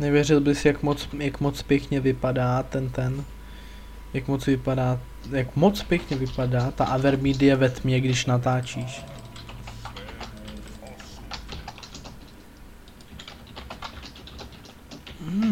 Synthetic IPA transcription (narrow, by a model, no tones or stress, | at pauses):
nɛvjɛrɪlbɪsjakmot͡sjakmot͡spjɛkɲɛvɪpadaːt̪ɛnt̪ɛn | jakmot͡svɪpadaː | jakmot͡spjɛkɲɛvɪpadaːt̪a̰ʔavɛɾmidɪjɛvɛt̪mɲɛɡdɪʃnat̪aːt͡ʃiːʃ